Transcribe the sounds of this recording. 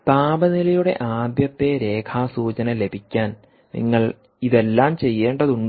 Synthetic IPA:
paːbɐnilɐjuɽe̞̰ʔaːb̪jɐpːe̞ɾe̞ːkʰaːsuːt͡ɕɐnɐle̞bʱikʲːaːn | nḭŋːɐɭ | iðe̞lːaːmt͡ɕe̞jːe̞ːɳɖɐðuɳ

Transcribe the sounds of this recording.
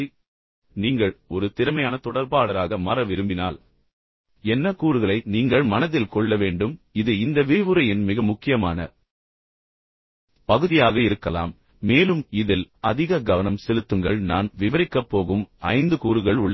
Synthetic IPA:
niːŋɡɐɭɔɾɯt̪ɪɾɯmɐjaːnɐt̪ɔɽɐɾpaːɽɐɾaːɣɐmɐrɐʋɪɾɯmbɪnaːl | ɛnːɐkuːɾɯɣɐɭɐɪniːŋɡɐɭmɐnɐðɪlkɔɭːɐʋeːɳɖɯmɪðɯɪnd̪ɐʋɪʋɯɾɐjɪnmɪɣɐmʊkːɪjɐma̰ːnɐ̰ | pɐɣɯðɪjaːɣɐɪɾɯkːɐla̰ːmː | eːlɯmɪðɪlɐðɪɣɐɡɐʋɐnɐmsɛlɯt̪ːɯŋɡɐɭnaːnʋɪʋɐɾɪkːɐpːoːɣɯmɐɪnd̪ɯkuːɾɯɣɐɭʊɭːɐ

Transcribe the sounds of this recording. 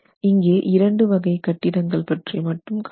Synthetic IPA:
ɪŋɡeːʔɪɾɐɳɖɯʋɐɣɐɪkɐʈːɪɽɐŋɡɐɭpɐʈrimɐʈːɯmk

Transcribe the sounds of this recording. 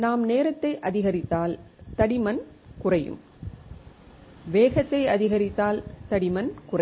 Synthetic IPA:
naːmneːɾɐt̪ːɐɪʔɐðɪɣɐɾɪt̪ːaːlt̪ɐɽɪmɐn | kʊrɐjɯ̰m | ʋeːɣɐt̪ːɐɪɐðɪɣɐɾɪt̪ːaːlt̪ɐɽɪmɐnkʊrɐ

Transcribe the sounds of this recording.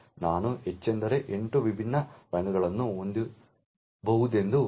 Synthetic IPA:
naːnuet͡ɕːend̪ɐɾeʔeɳʈuʋibʱinːɐɾɐŋuɣɐɭenːuond̪ɨ | bɐwud̪ʱend̪u

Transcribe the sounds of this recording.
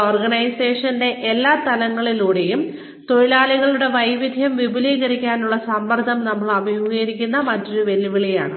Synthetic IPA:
oːrɡɐɳɐjse̞ːʂɐnde̞ʔelːaːt̪ɐlɐŋːɐɭiluːɽe̞jum | t̪o̞ɻilaːliɣɐɭuɽe̞ʋɐjʋid̪ʱjɐmʋibʱuliːɣɐɾikʲːaːnuɭːɐsɐmbɐrd̪ʱɐmnɐmːɐɭɐbʱijoɣɐjiɾikʲːunːɐmɐtːoɾuʋe̞lːiʋiɭija̰ːɳɨ

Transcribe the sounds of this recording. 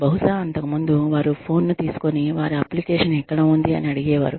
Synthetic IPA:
bɐɦuʂaːɐnt̪ɐkɐmund̪uʋaːɾupʰo̞ːnːut̪iːsu̥ko̞niʋaːɾiɐplikeːʂɐnɛkːɐɽɐːund̪iɐ̰niɐɽiɡɛːʋa̰ːɾu

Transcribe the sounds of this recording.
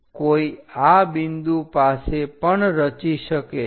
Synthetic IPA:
koiabind̪upasepəɳɾət͡ʃiʃəke

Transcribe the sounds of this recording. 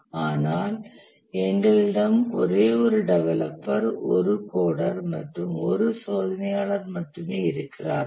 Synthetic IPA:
aːnaːl | ɛnɡɐlɪɽɐmɔ̰ɾeːɔɾɯɖɛʋɐlɐ̰pːɐɾɔ̰ɾɯkoːɽɐɾmɐ̰ʈrɯmɔ̰ɾɯsoːðɐnɐjaːɭɐɾmɐʈːɯmeːɪɾɯkːɪra̰ːɾ

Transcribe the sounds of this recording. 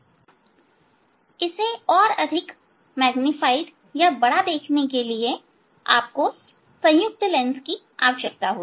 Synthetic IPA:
ɪseɔːɾɐd̪ʱɪk | mɛːɡnɪfaːɪɖ | jabɐɽad̪eːkʰnekelie | a̰ːp̚ko | sɐ̃j̃jʊk̚t̪lɛ̃nski | aːʋəʃək̚t̪aɦoː

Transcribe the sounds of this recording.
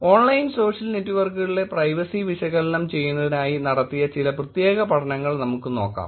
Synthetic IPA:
o̞ːɳlɐjinso̞ːʂjɐlnetːuʋɐrkɣɻile̞prɐjʋɐsiʋiɕɐɣɐlɐnɐmt͡ɕe̞jːunːɐðinaːjinɐɽɐt̪ːijɐt͡ɕilɐprɐt̪je̞ːɣɐpɐʈʰɐnɐŋːɐɭnɐmukːɨno̞ːkːa̰ːm

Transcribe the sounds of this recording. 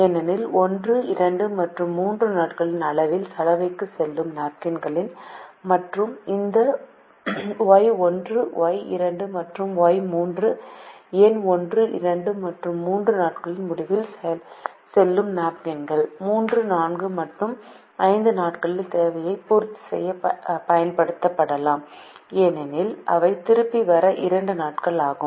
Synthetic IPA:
ɛnɐnɪlɔndrɯɪɾɐɳɖɯmɐʈrɯmːuːndrɯnaːʈkɐɭɪnɐɭɐʋɪlsɐlɐʋɐɪkːɯsɛlːɯmnaːʈ̚kɐnɡɐɭɪnmɐʈrɯmɪnd̪ɐ | ʋaːjɔndrɯʋoːjɪ̰ɾɐɳɖɯmɐʈrɯmʋoːjmuːndrɯeːnɔndrɯʔɪ̰ɾɐɳɖɯmɐʈrɯmːuːndrɯnaːʈkɐɭɪnmʊɽɪʋɪlsɛjɐl | sɛlːɯmnaːpɡɐnɡɐɭmuːndrɯnaːnɡɯmɐʈrɯm | ɐɪnd̪ɯnaːʈkɐɭɪlt̪eːʋɐjɐɪpuːɾt̪ːi̥sɛ̰jːɐpɐjɐnpɐɽɯt̪ːɐpːɐɽɐlaːmeːnɛnɪlʔɐ̰ʋɐɪt̪ɪɾɯpːiʋɐɾɐʔɪɾɐɳɖɯnaːʈ̚kɐɭaːɣɯmm

